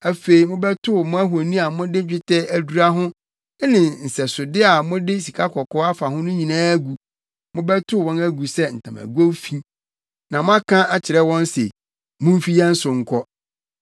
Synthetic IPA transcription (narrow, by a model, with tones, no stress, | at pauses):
æ˨fe˨i˨mʊ̃˦bɛ˦tʰʊ˦˨mʊ̃˦æ˦ɦo˨nĩ˦a˨mʊ̃˦dɪ˦t͡ɕᶣɪ˦tʰɛ˦æ˨du˨ɾa˦ɦʊ̃˦ | nɪ̃˨n̩˨sɛ˨sʊ˨dɪ˦a˨mʊ̃˦dɪ˦si˨kʰa˦kʰɔ˨kʰɔ˦a˦fa˨ɦʊ̃˦nʊ̃˦ɲĩ˨nãː˦æ˦ɡu˨ | mʊ̃˦bɛ˦tʰʊ˦˨wɔ̃˦næ˦ɡu˨sɛ˦n̩˨tʰã̰˨mæ̰˨ɡu˦o˦fĩ˦ | nã˨mʊ̃˦a˦kʰã˦ʔa˨t͡ɕʰɪ˨ɾɛ˦wɔ̃˦n˦sḛ˨ | mʊ̃˦m̩˦fi˦jɛ˦n̩˦sʊ˨ŋ̩˨kʰɔ˦